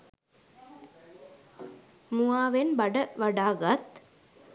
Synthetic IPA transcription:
muaːʋenbɐɖəʋɐɖaːɡɐt̪

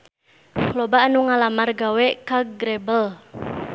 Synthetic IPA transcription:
klobaʔnuŋalamarɡawɛʔkaɡɾebəl

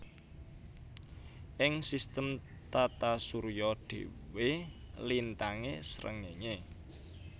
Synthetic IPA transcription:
ʔɪŋsist̪əm | t̪at̪asuɾjɔɖ̥e̤̰welint̪aŋesɾʔə̰ŋeŋe

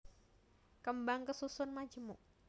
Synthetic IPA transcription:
kəmbaŋkəsusʊnmad͡ʒəmuʔ

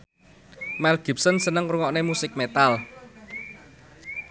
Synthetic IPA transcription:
mɛlɡ̥i̤p̚sənsənəŋruŋɔʔnemusɪk̚met̪al

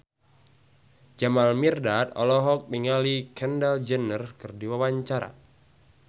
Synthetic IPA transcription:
d͡ʒamalmirdat̪̚ɔ̰lɔɦɔk̚niŋalikʰɛndald͡ʒənərkɨrdiwawaɲt͡ʃaɾa̰

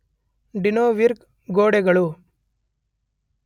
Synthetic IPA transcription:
ɖinoːʋiɾk | ɡoːɽɛɡɐɭu

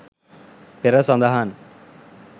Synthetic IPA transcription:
peɾɐsɐnd̪ɐɦaːn

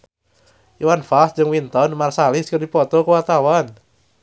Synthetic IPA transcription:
ʔiwanfas̚d͡ʒɨŋwint̪ɔnmarsalɪskərdipɔt̪ɔkəwat̪awan

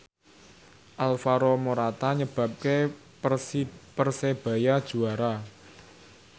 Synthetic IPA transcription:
ʔalfaɾomoɾat̪aɲəb̥a̤p̚ke | pərseb̥a̤jad̥ʒ̥ṳaɾa

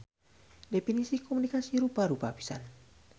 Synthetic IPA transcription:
definisikomunikasiɾubaɾubapi̥sa̰n

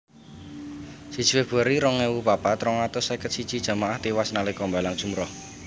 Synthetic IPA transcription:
si̥ʒ̥i̤wɪhb̥əɾiɾɔŋɛwupapat̪ɾɔŋat̪ɔsakət̪sid̥ʒ̥i̤d̥ʒ̥a̤maʔaht̪iwasnalekɔmbalaŋd̥ʒ̥ṳmɾɔh

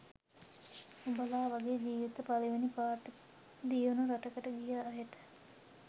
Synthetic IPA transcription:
ubalaːʋaɡeːd͡ʒiːʋit̪əpaliʋenipaːʈə | d̪ijunuɾaʈəkəʈəɡijaːɦeʈə̥

